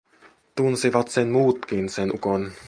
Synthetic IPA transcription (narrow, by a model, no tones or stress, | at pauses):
t̪unsiʋɑt̪senmuːt̪k̟insenʔukon